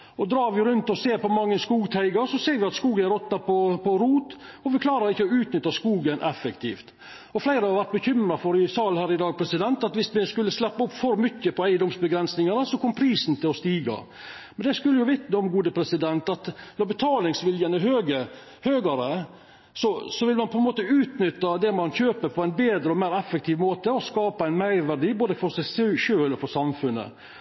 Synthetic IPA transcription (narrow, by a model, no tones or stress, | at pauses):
ɔd̪ɾɑːɾʋɪɾʉnt̪ɔseːɾpɔmɑŋːəskuːɡt̪ʰæɪɡɑɾsɔseːɾʋɪɑt̪skuːɡənæɾɔt̪nɑpɔpʰɔɾuːt̪ɔʋɪkʰlɑːɾɑɾɪçːəɔʉːt̪nʏt̪ːɑskuːɡənʔɛfəkt̪ʰḭːft̪ | ɔflæɪɾəɑɑʋæɾt̪̚bəçʏmɾɑfɔɾɪsɑlhæːɾɪd̪ɑːɡ̚pʰɾɛsɪd̪ɛnt̪ɑt̪ʋɪsmɪskʉlːəslɛpːɑʊpːfɔɾmʏçːəpɔæɪd̪ɔmsbəɡɾɛnsnɪŋɑnəsɔkʰɔmpʰɾiːsn̩t̪ʰɪlɔst̪iːɡɑ̰ | mɛnd̪ɛskʉlːəjʊʋɪt̪nəɔmɡuːd̪əpʰɾɛsɪd̪ɛnt̪ɑt̪ʋ̪ɑbət̪ʰɑːlɪŋsʋɪljənəɦøːɡə | høːɡɑɾə | sɔsɔʋɪlmɑnpʰɔɛnmoːt̪əʉːt̪nʏt̪ːɑd̪ɛmɑnçøːpəɾpʰɔæɪnbeːd̪ɾəɔmæːɾɛfːək̚t̪ʰiːʋmoːt̪əɔskɑːpɑæɪnmæɪɾʋæɾɖ̪iːboːd̪əfɔɾsæɪsʂøːlɔfɔɾsɑmfʉnːə̰